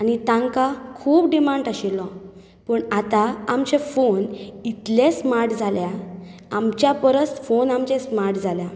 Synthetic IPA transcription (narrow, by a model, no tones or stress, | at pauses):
anit̪ãŋkakʰuːpɖimaɳɖaɕilːɔ̃ | pəɳat̪aamt͡ɕefonit̪lẽsmaɾʈd͡zʱalja | amt͡ɕjapəɾət͡sfonamt͡ɕɛ̃smaɾʈd͡zʱalja